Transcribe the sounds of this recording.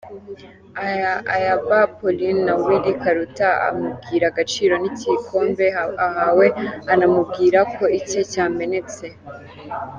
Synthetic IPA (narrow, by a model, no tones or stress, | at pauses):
ajaβapolinawiɾikaɾutaa̰mub̚ɡiːɾaɡat͡ʃiːɾo̞nicikʰo̞ːmbe̞ahawe̞anamub̚ɡiːɾakʰo̞ice̞caːme̞ne̞t͡se̞